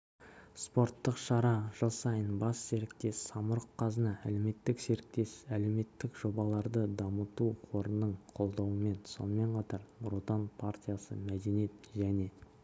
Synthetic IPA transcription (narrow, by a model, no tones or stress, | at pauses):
spo̞rt̪ːəqʃɑɾɑʒ̥əlˠsɑjənbɑsːe̞ɾɪk̚t̪e̞sːɑməɾəqqʰːɑzənɑʔæ̰le̞me̞t̪ːɪkse̞ɾɪk̚t̪e̞sæle̞wme̞t̪ːɪkʒ̥o̞bɑlˠɑɾd̪əd̪ɑmət̪uqʰo̞ɾənːəɴqʰo̞lˠd̪ɑwəme̞nso̞̰nəme̞ɴqʰɑt̪ɑɾbɾut̪anpʰart̪ʲijasə̰mæd̪e̞nijet̪ʒæne̞